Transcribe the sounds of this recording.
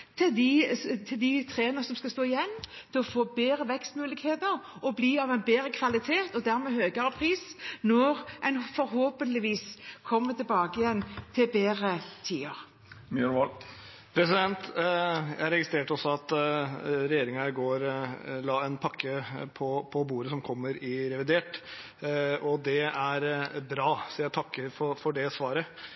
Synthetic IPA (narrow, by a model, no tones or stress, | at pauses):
t̪ʰɪd̪ɪt̪ʰɪld̪ɪt̪ʰɾeːənəsɔmskɑst̪oːɪjɛnːt̪ʰɛɔfoːbeːɾəʋɛkst̪mʉːlɪɡheːt̪əɾɔbliːɑʋɛɪnbeːɾəkʰʋɑlɪt̪ʰeːt̪ɔd̪æɾmeːhøːɡəɾəpʰɾiːsnɔɾʔɛnfɔɾɦoːpənlɪʋiːskʰɔmːət̪ʰɪlbɑːɡəɪjɛnːt̪ʰɪlbeːʁət̪ʰiːəɾ | myl | pʰɾɛsɪd̪ɛnt̪jæhæɾɛɡɪst̪ɾeːʈəɔsːɔɑt̪ | ɾɛjeːɾɪŋɾɡoːɾlɑːɛnpʰɑkʰːəpʰɔpʰɔbuːɾəsɔmkʰɔmːəɾɪɾɛʋɪd̪eːʈ | ɔd̪ɛæɾbɾɑːsɔjæt̪ʰɑkːəɾfɔfɔɖɛsʋɑːɾə